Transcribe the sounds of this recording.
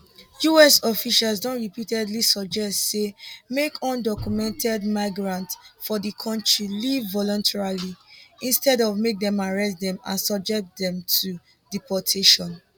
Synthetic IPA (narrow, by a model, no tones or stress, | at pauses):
juɛsɔfiʃasdɔ̃nɹipitɛdlisɔd͡ʒɛstsemekʰɔ̃ndɔkjumɛ̃ntɛdmaɪɡɹãntfɔdikʰɔ̃ntʰɹilivːɔlɔ̃ntʰɛɹaliĩnstɛdɔvmek̚dɛ̃maɹɛsdɛ̃mã̰nsɔb̚d͡ʒɛk̚tdɛ̃mtʰu | dipɔtʰeʃɔ̃n